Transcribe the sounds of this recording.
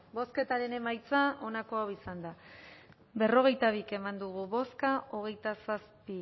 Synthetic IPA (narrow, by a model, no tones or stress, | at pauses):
bo̞ske̞t̪aɾe̞ne̞majt͡saʔo̞nako̞awisand̪a | be̞ro̞ɣ̞e̞jt̪aβ̞ike̞mand̪uɣ̞uβo̞skaʔo̞ɣ̞e̞jt̪asaspi